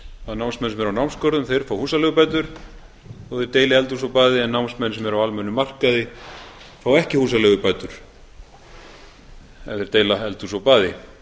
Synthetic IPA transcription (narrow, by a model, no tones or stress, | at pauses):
anawnsmɛnsɛmvɛɾawnawmskɔwɾðʏmθejɾ̥faːwhuːsalɛɣʏpaːjt̪̬ʏɾ̥ | oðɪɾt̪eːjlɪɛlt̪usɔwpaːðɪɛnːawnsmɛnsɛmɛɾawalmɛnʏmːar̥kaðɪ | faːwɛhcɪhuːsalœɣʏpajt̪ʏɾ̥ | ɛ̰fðɪɾt̪eːjlaɛlt̪usɔwpaːðɪ